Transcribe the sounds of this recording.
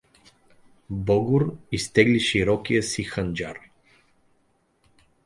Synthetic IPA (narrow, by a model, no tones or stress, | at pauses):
bɔɡʊɾist̪ɛɡliʃiɾɔkijəsixənd͡ʒaɾ